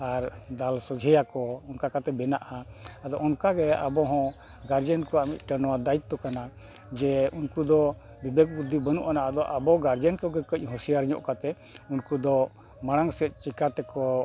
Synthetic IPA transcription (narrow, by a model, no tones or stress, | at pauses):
aɾd̪alsɔd͡ʒʱɛjakɔɔnkakat̪ɛbɛnaʔaad̪ɔɔnkaɡɛa̰bɔɦɔ̃ | ɡaɾd͡ʒənkɔamit̪̚ˀʈənɔwad̪ajit̪ːɔkana | d͡ʒɛunkud̪ɔ | bibeɡ̚bud̪ːibənṵʔanaʔad̪ɔʔabɔɡaɾd͡ʒənkɔɡɛkəc̚ˀɦũsijaɾɲɔ̰ʔkat̪ɛ | unkud̪ɔ | maɽ̃aŋsɛt̪̚t͡ʃikat̪ɛkɔ